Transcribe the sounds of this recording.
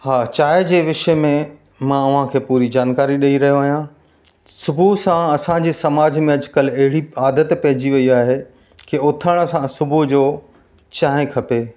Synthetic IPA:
haːt͡ɕaːɪd͡ʑeːʋɪʃəmẽ | mãʊʋ̤ãkʰeːpuːɾid͡ʑaːnkaːɾiɗɐiɾɐɦijoaːɦijã | sʊbʱusãɐsãd͡ʑiːsɐmaːd͡ʑmẽɐd͡ʑkəlɐɦɪɽiaːd̪ət̪pɐɦɪd͡ʑiʋɐiaːɦe | keʊt̪ʰəɽ̃sãsʊbud͡ʑoː | t͡ɕaːɦɪ̃kʰɐpeː

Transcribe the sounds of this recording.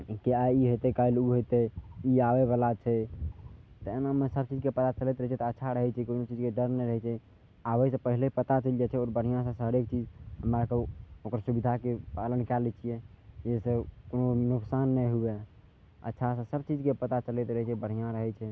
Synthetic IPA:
kiaiɦot̪ekailuɦot̪eiabeβalat͡ʃʰɛ | t̪enamesəb̚t͡ʃid͡ʒkepət̪at͡ʃəlɛt̪ɾəɦit͡ʃʰɛt̪ɔətːʃʰaɾəɦɛt͡ʃʰɛkonot͡ʃid͡ʒkeɖəɾnɛɾəɦɛt͡ʃʰɛ | aʋəisə̃pəɦilepət̪at͡ʃəlijɛt͡ʃʰɛɔːɾbəɽ̤ijãsə̃səɦɾek̚t͡ʃid͡ʒɦəmɾakeokəɾsubid̪ʱakepalənkalɛt͡ʃʰijɛjesekononuksanːɛjɦube | ə̰tːʃʰasə̃səb̚t͡ʃid͡ʒkepət̪at͡ʃəlɛt̪ɾəɦɛt͡ʃʰɛbəɽ̤ijãɾəɦɛt͡ʃʰɛ

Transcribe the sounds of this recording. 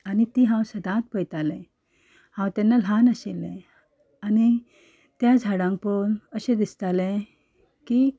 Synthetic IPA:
anit̪iɦãwsəd̪ʱãt̪̚pəjt̪alɛ̃ | hãwt̪ɛnːal̤anaɕelɛ̰̃ | ani | t̪jad͡zʱaɽãŋk̚pənəɕẽd̪ist̪alɛ̃ | ki

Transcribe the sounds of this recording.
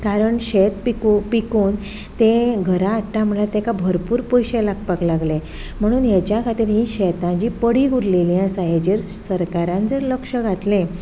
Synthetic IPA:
kaɾəɳɕet̪pikpikuːn | t̪ẽɡʱəɾaːʈʈam̤əɭjaɾt̪ekabʱəɾpuːɾpojɕelak̚paklaɡlẽ | m̤əɽ̃uːnjat͡ɕjakʰat̪iːɾɦĩɕɛt̪ãd͡ʑiːpəɽiɡuɾlelijãsajed͡ʑeɾ | səɾkaɾãnd͡zəɾləkʂəɡʱat̪lẽ

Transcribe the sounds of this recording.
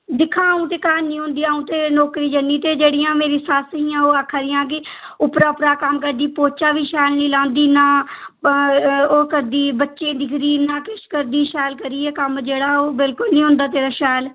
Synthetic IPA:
d̪ɪkʰːãːũːt̪eːkaːnnĩːɦʊ̃nd̪iːaːũːt̪eːnoːkɾiːd͡ʒənːiːt̪eːd͡ʒeːɽɪjãːmeːɾiːsasɦĩːãːoːakʰaːɾɪjãːk̬ɪ | ʊpɾaːʊpɾaːkəmkəɾd̪iːpoːt͡ʃaːʋiːʃɛːlnĩːlãːnd̪iːnaː | oːkəɾd̪iːbətːʃẽːd̪ɪkʰɾiːnãːkɪʃkəɾd̪iːʃɛːlkəɾiːɛːkəmd͡ʒeːɽaːoːbɪlkʊlnĩːɦʊ̃nd̪aːt̪eːɾaːʃɛːl

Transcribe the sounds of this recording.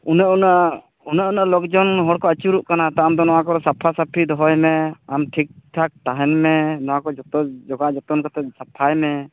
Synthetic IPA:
unaʔunaʔ | unaʔunaʔlɔkd͡ʒɔnɦɔɽkɔət͡ʃuɾuʔkanat̪aamd̪ɔnɔwakɔɾɔsapʰasapʰid̪ɔɦɔjmɛamʈʰik̚ʈʰak̚t̪aɦɛnmɛnɔwakɔd͡ʒɔt̪ɔd͡ʒɔɡaʔd͡ʒɔt̪ɔnkat̪ɛsapʰajmɛ

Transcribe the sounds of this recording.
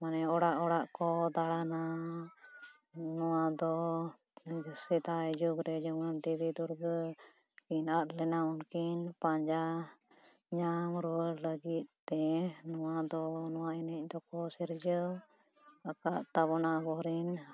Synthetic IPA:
manɛɔɽaʔɔɽaʔkɔd̪aɽana | nɔwad̪ɔ | sɛt̪aɛd͡ʒuɡɾɛd͡ʒɔŋand̪ibid̪uɾɡ | kinat̪lɛnaunkinpãɲd͡ʒa | ɲamɾuəɾləɡit̪̚t̪ːɛnɔwad̪ɔnɔwainɛc̚ˀd̪ɔkɔsɛɾd͡ʒə | əkaʔt̪abɔnabɔɾin

